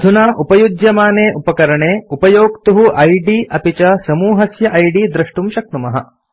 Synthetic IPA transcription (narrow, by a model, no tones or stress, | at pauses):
d̪ʱunaːʔupɐjud̪jɐmaːneːʔupɐkɐɾɐɳeːupɐjoːkt̪uɦuʔɐjɖiːʔɐpit͡ʃɐsɐmuːɦɐsjɐʔɐjɖiːd̪ɾɐʂʈumʃɐk̚numɐɦɐ̰